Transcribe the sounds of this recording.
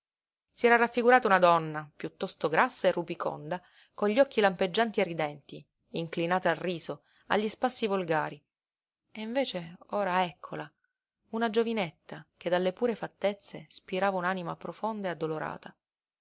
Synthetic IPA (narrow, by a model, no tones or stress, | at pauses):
siɛːɾaɾafːiɡuɾaːt̪aunad̪ɔnːapjut̪ːɔst̪oɡɾʔasːaerːupiko̰nd̪a | konʎːɔkːilamped͡ʒːant̪ierːid̪ɛnt̪iː | ŋklinaːt̪aalriːzo | a̰ʎːispasːivolɡaːɾi | eiɱveːt͡ʃeoːɾaɛkʰːola | unad͡ʒovinet̪ːak̟ed̪alːepuːɾefat̪ːet̪sːespiɾaːvaunanimapɾofond̪aead̪ːoloɾa̰ːt̪a